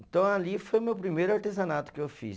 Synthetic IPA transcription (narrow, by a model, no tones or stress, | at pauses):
t̪oãliːfemepɾimeɾɐʈis̬anaːt̪kofḭː